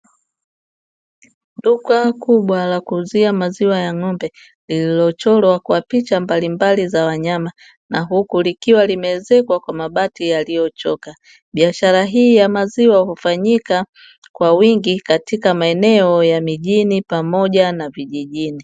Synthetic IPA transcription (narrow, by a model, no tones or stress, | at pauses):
dukakuɓwalakuːziamaziwajaŋɔmbɛ | lililɔt͡ʃɔlwakwapit͡ʃambalimbalizawaɲama | naɦukulikiwalimɛzɛkwakwamaɓatijalijɔt͡ʃɔka | ɓiaʃaɾaɦiːjamaziwahufaɲika | kwawiŋɡikatikamaɛnɛɔjamiʄinipamɔʄanaviʄiʄini